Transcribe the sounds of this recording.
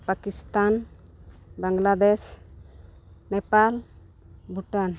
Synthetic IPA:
pakist̪an | baŋɡlad̪ɛs | nɛpal | bʱuʈan

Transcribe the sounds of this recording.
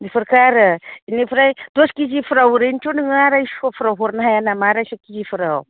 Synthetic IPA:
nifuɾkaɾainifɾajtoskizifuɾawuɾent͡ʃuniŋaɾaiskofuɾaɦuɾnaɦajanamaɾasukizifuɾaw

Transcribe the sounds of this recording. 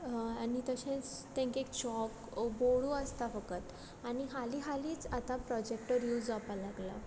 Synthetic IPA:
anit̪əɕẽt͡st̪ɛ̃ŋkekt͡ɕɔk | boɭuəst̪afəkət̪ | aniɦaliɦaliːt͡sat̪ãpɾɔd͡ʑekʈəɾjuːd͡zapalaɡla̰

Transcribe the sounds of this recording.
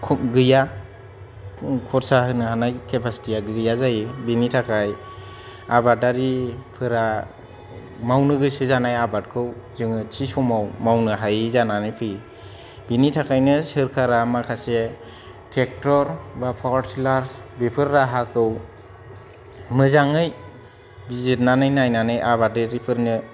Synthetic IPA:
kʰɡɯja | kʰɔtsahɯnɯɦanajkʰepʰasi̥tiaɡɯɡɯjazajibinitʰakʰaj | abataɾipʰɯɾa | mawnɯɡɯsɯzanajabat̚kʰɯwzɯŋɯtʰisɔmawmawnɯɦajizananɯpʰɯj | binitʰakʰajnɯsɯɾkʰaɾamakʰase | tʰek̚tɔɾbapʰɔsilaɾsbepʰɯɾːaɦakʰɯw | mɯzaŋɯj | bizit̚nanɯjnajnanɯjʔabaaɾipʰɯɾnɯ

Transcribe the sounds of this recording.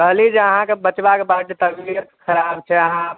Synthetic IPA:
kəɦlid͡ʒeəɦãkebət͡ʃbakebad̪et̪əbiɾkəɾabt͡ʃʰɛəɦã

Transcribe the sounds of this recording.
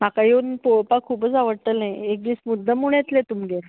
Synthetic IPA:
m̤akajeunpoɭpakʰuːpət͡saʋəɽt̪əlnajek̚d̪iːsmud̪ʱːəmuɭ̃et̪let̪umɡeɾ

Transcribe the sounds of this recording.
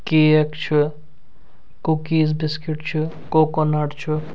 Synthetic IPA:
keːɐkt͡ʃʰu | kukiːzbiskiʈt͡ʃʰu | kokɔnɐʈt͡ʃʰu

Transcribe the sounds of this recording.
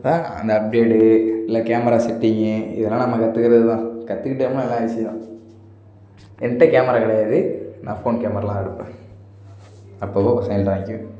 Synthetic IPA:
t̪ãːɐ̰nd̪ɐɐp̚ɖeːʈɯɪlːɐkaːmɐɾaːsɛʈ̪ːiŋɡẽɪ̰ðɐlːaːnɐmːɐkɐt̪ːɯkɐɾɐðɯt̪ãːkɐt̪ːɯkɪʈːɐɐmanɛlːãːɐʋɪsɪjɐãː | ɛnʈːɐkaːmɐɾaːɣɐɭɐjðɯnʔã̰ːfoːnkaːmɐɾalãːɛɽɯpːẽː | ɐpːoːʋosɐjnt̪aːŋkjũ

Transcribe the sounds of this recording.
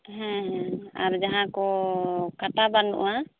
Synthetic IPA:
ɦɛ̃ɦɛ̃aɾd͡ʒaɦãkɔkat̪abanṵʔa

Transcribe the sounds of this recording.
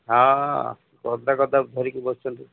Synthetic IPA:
ɦã | kɔd̪akɔd̪abd̪ʱɔɾikibɔst͡ʃʰɔnt̪u

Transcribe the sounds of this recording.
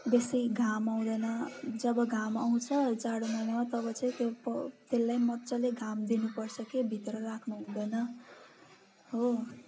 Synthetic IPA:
besijɡʱamaw̃d̪ʌnʌd͡zʌbʌɡʱamaw̃t͡sʰʌt͡saɽomʌjnamat̪ʌbʌt͡sʌĩt̪jopʌt̪elːajmʌtːt͡sʰʌleɡʱamd̪inupʌrt͡sʰʌkebʱit̪rʌrakʰnuɦũd̪ʌjnʌ | ɦo

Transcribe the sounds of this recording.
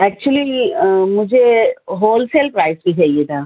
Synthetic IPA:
ɛːk̚t͡ʃuəlimʊd͡ʒʱeɦoːlselpɾaːɪskiɦɛjet̪ʰa

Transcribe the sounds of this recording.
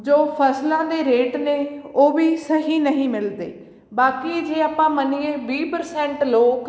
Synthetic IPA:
d͡ʒoːpʰəslãːd̪eːɾeːʈneːoːʋiːsəɦiːnəɦĩːmɪld̪ḛː | baːkiːd͡ʒeːaːpãːməniːeːbiːpəɾsɛ̃ːɳʈloːk

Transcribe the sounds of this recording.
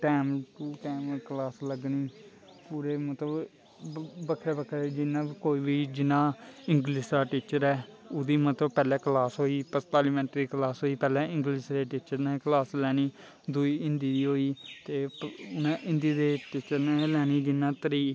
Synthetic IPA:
ʈɛːmt̪uːʈɛːməklaːsləɡniː | puːɾeːmət̪ləb | bəkʰɾeːbəkʰːɾeːd͡ʒɪnãːkoːiːʋiːd͡ʒɪnãːɪ̃ŋɡliːsd̪aːʈiːt͡ʃəɾɛː | ʊd̪iːmət̪ləbpɛːlɛ̃ːklaːsɦoːiːpəst̪aːliːmɛ̃ːɳʈɾiːklaːsɦoːiːpɛːlɛ̃ːɪ̃ŋɡliːsɾeːʈiːt͡ʃəɾnɛ̃klaːslɛːniː | d̪ʊiːɪ̃nd̪iːd̪iːɦoːiːt̪eːʊnãːʔɪ̃nd̪iːd̪eːʈiːt͡ʃəɾnɛ̃ːlɛːniːd͡ʒɪnːãːt̪əɾiː

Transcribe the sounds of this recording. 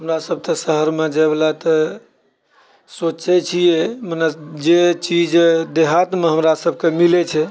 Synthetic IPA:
ɦəmɾasəb̚t̪əsəɦəɾmed͡ʒəblat̪ə | sot͡ʃɛt͡ʃʰijɛmənəd͡ʒet͡ʃid͡ʒd̪eɦat̪meɦəmɾasəbʱkemilɛt͡ʃʰɛ

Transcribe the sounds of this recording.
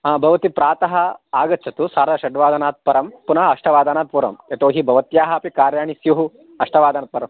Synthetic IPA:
aːbʱɐʋɐt̪ipɾaːt̪ɐɦɐaːɡɐtːt͡ʃʰɐt̪usaːɾɐʃɐɖʋaːd̪anaːt̪̚pɐɾɐmpunɐɦɐɐʂʈʰɐʋaːd̪aːnaːt̪̚puɾɐ̰met̪oːɦibʱɐʋɐt̪jaːɦɐpikaːɾjaːɳisjuɦu | ɐʂʈʰɐʋaːd̪aːnaːt̪̚pɐɾɐm

